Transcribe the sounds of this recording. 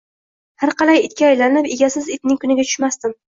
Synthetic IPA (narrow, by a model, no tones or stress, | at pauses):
haɾqɑlajɪt̪̚kʲaːjlanɪpeɡʲasɪzɪt̪̚nɪŋʲkʊnɪɡʲat̪ʰʊ̥ʃmast̪ɪm